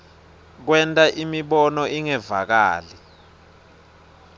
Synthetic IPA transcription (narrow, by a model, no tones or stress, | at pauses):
k̬wɛntʼaʔimiɓɔnɔʔiŋɛvak̬a̰ːlɛ